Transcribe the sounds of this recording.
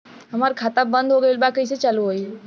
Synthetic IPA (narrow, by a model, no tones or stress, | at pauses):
ɦɐmaːɾikʰaːt̪abɐ̃nd̪ʱɦoɡəilbakɐis̬et͡ʃɐluɦoi